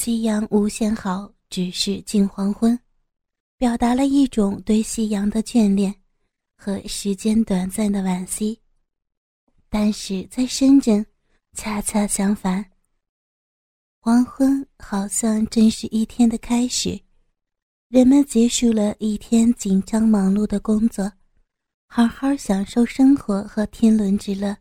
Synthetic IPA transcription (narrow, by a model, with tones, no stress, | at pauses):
ɕi˥jɑ˧˥ŋʔu˧˥ɕjɛ˥nxɑ˨˩˦ʊ | ʈ͡ʂɻ̩˨˩ʂɻ̩˥˧t͡ɕi˥˩nxwɑ˧˥ŋxwə˥n | pjɑ˨˩ʊt̪a˧˥lə˧i˥˩ʈ͡ʂʊ˨˩ŋt̪we˥˧ɪɕi˥jɑ˧˥ŋd̪ə˧t͡ɕɥɛ˥˧nljɛ˥˩n | xɤ˧˥ʂɻ̩˧˥t͡ɕjɛ˥nt̪wa˨˩nt͡sa˥˩nd̪ə˩wa˨˩nɕi˥ | t̪a˥˧nʂɻ̩˥˩t͡sa˥˩ɪʂə˥nʈ͡ʂɤ˥˩ŋ | t͡ɕʰja˥t͡ɕʰja˥ɕjɑ˧˥ŋfa˧˥n | wɑ˧˥ŋxwə˥nxɑ˨˩ʊɕjɑ˥˧ŋʈ͡ʂɤ˥˧ŋʂɻ̩˥˧ʔi˥˩t̪ʰjɛ˥nd̪ə˨kʰa˥ɪʂɻ̩˨˩˦ | ɻə˧˥nmə˨nt͡ɕjɛ˧˥ʂu˥˩lə˩ʔi˥˩t̪ʰjɛ˥nt͡ɕi˨˩nʈ͡ʂɑ˥ŋmɑ˧˥ŋlu˥˩d̪ə˩kʊ˥ŋt͡swɔ˥˩ | xɑ˧˥xɑ˞˥˧˥ɕjɑ˨˩ŋʂo˥˩ʊʂɤ˥ŋxwɔ˧˥xɤ˧˥t̪ʰjɛ˥nlwə˧˥nʈ͡ʂɻ̩˧˥lə˥˩